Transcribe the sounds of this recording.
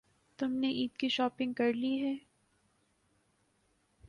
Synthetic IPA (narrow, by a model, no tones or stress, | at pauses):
t̪ʊmneʔiːd̪kiʃɔːpɪ̃ŋɡ̚kɐɾliɦɛː